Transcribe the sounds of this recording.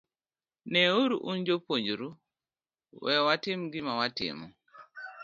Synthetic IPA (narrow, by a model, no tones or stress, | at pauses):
nɛuɾuʔund͡ʒopoɲd͡ʒuɾu | wɛwatimɡimawatḭmu